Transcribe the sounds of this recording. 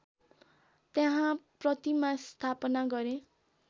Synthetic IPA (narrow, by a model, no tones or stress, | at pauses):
t̪jaɦãprʌt̪imast̪ʰapʌnaɡʌɾẽ